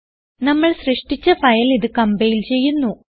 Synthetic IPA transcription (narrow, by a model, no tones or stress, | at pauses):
nɐmːɐɭɕrɨʂʈit͡ɕːɐfɐjɐliðɨkɐmbɐjilt͡ɕe̞jːunːu